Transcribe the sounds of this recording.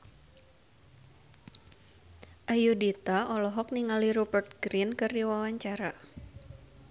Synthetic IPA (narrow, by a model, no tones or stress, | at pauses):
ʔajudit̪aʔɔlɔɦɔk̚niŋaliɾubərt̪̚ɡɾinkɨrdiwawaɲt͡ʃaɾa